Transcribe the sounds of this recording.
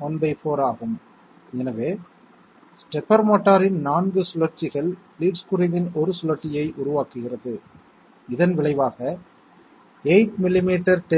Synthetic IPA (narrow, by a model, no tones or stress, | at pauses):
ɔnbɐɪpoːɾaːɣɯm | ɛnɐʋeː | sʈɛpːɐɾmaːʈːaːɾɪnnaːnɡɯsʊlɐɾt͡ʃɪɣɐɭliːʈskʊɾɪʋɪnɔɾɯsʊlɐɾt͡ʃːɪjɐɪʔʊɾʊʋaːkɯɣɪrɐðɯ | ɪðɐnʋɪɭɐɪʋaːɣɐ | eɪʈ̚mɪlːɪmiːʈːɐɾʈ